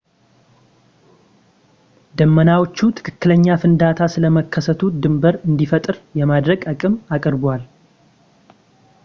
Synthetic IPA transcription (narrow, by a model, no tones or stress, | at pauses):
d̪əmːənawot͡ʃːut̪ʰɨ̥kʰɨkːɨləɲːafɨnd̪at̪ʰasɨləməkʰːəsət̪ʰud̪ɨmbəɾɨnd̪ifət̪ʼɨɾjɛmad̪ɾəɡəkʼɨmakʼəɾbwal